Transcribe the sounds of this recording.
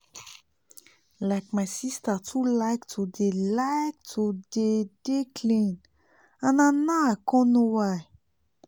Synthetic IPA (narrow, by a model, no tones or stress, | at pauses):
lajk̚masistatʰulajktʰudelajk̚tʰudedekʰlĩn | ãnanaakɔ̃nowaj